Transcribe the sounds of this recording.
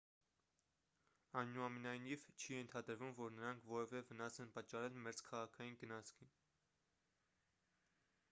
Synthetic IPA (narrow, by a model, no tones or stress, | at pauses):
ɑjnuɑmɛnɑjnivt͡ʃʰijɛnt̪ʰɑd̪əɾvumvɔɾnəɾɑŋkʰvɔɾɛvɛvənɑsɛnpɑt͡ʃːɑɾɛlmɛɾd͡zkʰɑʁɑkʰɑjinɡənɑt͡sʰkʰin